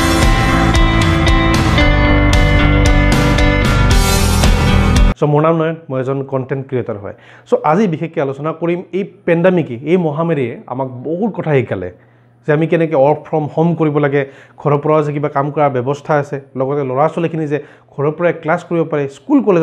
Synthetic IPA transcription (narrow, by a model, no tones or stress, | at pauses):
sɔmɔɹnamnɔjmojɛzɔnkɔntɛntkɹietaɹɦɔ̰j | soʔazibixʰekːɛalusɔnakoɹimejpɛndamikɛejmɔɦameɹiɛa̰mak̚bɔɦutkɔtʰaɦiɡalɛ̰ | zɛamikɛnɛkɔɔɹpʰɹɔmhɔmkoɹibɔlaɡɛɡʱɔɹɔpɔɹazɛk̬ibakamkɔɹaɹbjɔbɔstʰaasɛlɔɡɔtɛlɔɹasɔlikʰinizɛ | ɡʱɔɹɔpɔɹaɛklaskoɹibɔpaɹɛskulkɔle